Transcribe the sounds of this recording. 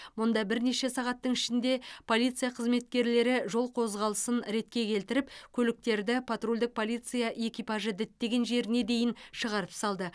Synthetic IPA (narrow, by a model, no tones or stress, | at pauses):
mʊnd̪ɑbɪɾne̞ʃe̞sɑʁɑt̪ːəɴɪʃɪnd̪e̞pʰo̞lʲˠijt̪sɨjaqʰəzme̞t̪̚kʲe̞ɾle̞ɾɪʒo̞lˠqʰo̞zʁɑlˠəsənɾe̞t̪̚kʲe̞kʲʰe̞lt̪ɪɾɪpkʲʰɵlɪk̚t̪e̞ɾd̪ɪpʰat̪rolʲd̪ɪk̚pʰo̞lˠijt̪sɨjaʔe̞kʲijpɑʒəd̪ɪt̪ːe̞ɡʲe̞nʒe̞ɾɪne̞d̪e̞jɪnʃəʁɑɾəpsɑlˠd̪ə